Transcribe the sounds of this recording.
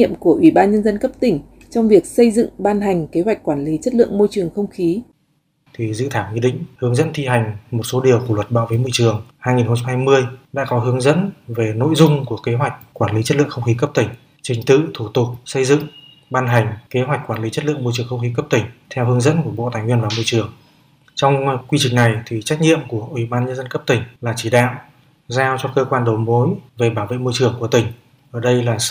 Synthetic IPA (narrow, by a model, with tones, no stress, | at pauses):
ḭ˧˨əmku˧˩əʔwi˧˩ɓaː˧nɲə˧nzə˧nkə˦˥p̚t̪ï˨˧˩ŋ̟ | t͡ɕɔ˧wŋ͡mvi˨˩ək̚sə˧jzɨ̰˧˨ŋɓaː˧nɦa˨˩jŋ̟ke˨˦ɦwa˨˩jk̟̚kwaː˧˩nli˨˦t͡ɕə˦˥t̚lɨ̰˧˨əŋmo˧jt͡ɕɨ˨˩əŋxə˧wŋ͡mxi˨˦ | t̪ʰi˨˩zɨ̰˧˨t̪ʰaː˧˩wɲi˧ɗḭ̈˧˨ŋ̟hɨ˨˦əŋzə̰˧˥nt̪ʰi˧ɦa˨˩jŋ̟mo˨˩t̚so˨˦ɗi˨˩əwklwə˨˩t̚ɓaː˧˨wvəː˨˦jmo˧jt͡ɕɨ˨˩əŋhaː˧jŋi˨˩nxə˧ŋ͡mt͡ɕa˧mhaː˧jmɨ˧əjɗa̰ː˧˥kɔ˨˦ɦɨ˨˦əŋzə̰˧˥nve˨˩no̰˧˥˨jzʊ˧ŋ͡mku˧˩əke˨˦ɦwa˨˩jk̟̚kwaː˧˩nli˨˦t͡ɕə˦˥t̚lɨ̰˧˨ə˨xə˧ŋ͡mxi˨˦kə˦˥p̚t̪ï˧˩ŋ̟ | t͡ɕï˨˩ŋ̟t̪ɨ̰˧˨t̪ʰu˧˩t̪ʊ˨˩k͡p̚sə˧jzɨ̰˧˨ŋ | ɓaː˧nɦa˨˩jŋ̟ke˨˦ɦwa˨˩k̚kwaː˧˩nli˨˦t͡ɕə˦˥t̚lɨ̰˧˨əŋmo˧jt͡ɕɨ˨˩əŋxə˧wŋ͡mxi˨˦kə˦˥p̚t̪ï˧˩ŋ̟t̪ʰɛ˧whɨ˨˦əŋzə̰˧˥nku˧˩əɓo̰˧˨t̪aː˨˩jŋhwi˧ənvaː˨˩mo˧jt͡ɕɨ˨˩əŋ | t͡ɕɔ˧wŋ͡mkwi˧t͡ɕï˨˩ŋ̟na˨˩jt̪ʰi˨˩t͡ɕa˦˥k̟̚ɲḭ˧˨əmku˧˩əʔwi˧˩ɓaː˧nɲə˧nzə˧nkə˦˥p̚t̪ï˧˩ŋ̟laː˨˩t͡ɕi˧˩ɗa̰ː˧˨w | zaː˧wt͡ɕɔ˧kəː˧kwaː˧nɗə˨˦wmo˨˦jve˨˩ɓaː˧˩wvḛ˧˨mo˧jt͡ɕɨ˨˩əŋku˧˩ət̪ï˧˩ŋ̟ | ʔəː˧˩ɗə˧jlaː˨˩˧